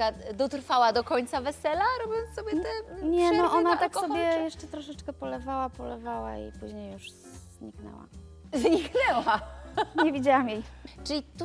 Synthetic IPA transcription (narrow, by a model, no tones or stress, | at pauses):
ad̪ɔt̪ɾfawad̪ɔkɔɲt̪savɛsɛlaɾɔbʲjɔ̃nsɔbʲjɛt̪ɛɲɛnɔʔɔnat̪aksɔbʲjɛjjɛʂt͡ʂɛt̪ɾɔʂɛt͡ʂkɛpɔlɛvawapɔlɛvawa̰ḭpuʑɲejːuʂzzɲiknɛ̰wa̰ | zɲiknɛwaɲɛvʲid͡ʑawamjejt͡ʂɘlʲit̪u